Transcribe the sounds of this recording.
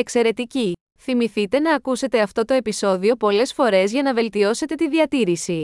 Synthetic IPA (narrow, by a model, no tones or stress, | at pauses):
e̞kse̞ɾe̞t̪ici | θimiθit̪e̞nɐːkuse̞t̪e̞ɐft̪o̞t̪o̞e̞piso̞ðio̞po̞le̞sfo̞ɾe̞zʝɐnɐve̞lt̪io̞se̞t̪e̞t̪iðiɐt̪iɾisi